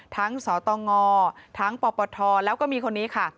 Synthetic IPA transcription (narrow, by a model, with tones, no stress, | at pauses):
t̪ʰa˦˥ŋsɔː˩˦t̪ɔː˧ŋɔː˧t̪ʰa˦˥ŋpɔː˧pɔː˧t̪ʰɔː˧lɛː˦˥wkɔː˥˩miː˧kʰo˧nːiː˦˥kʰa˥˩